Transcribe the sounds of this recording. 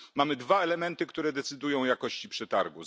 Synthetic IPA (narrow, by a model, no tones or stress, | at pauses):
mamɘd̪vaɛlɛmɛnt̪ɘkt̪uɾɛd̪ɛt̪sɘd̪ujɔ̃w̃jakɔɕt͡ɕipʂɛt̪aɾɡu